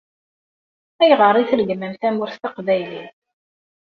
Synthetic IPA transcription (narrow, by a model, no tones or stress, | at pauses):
æjʁəɾˤiθlɡəmːəmθæmʊɾθt̪əqvæjlin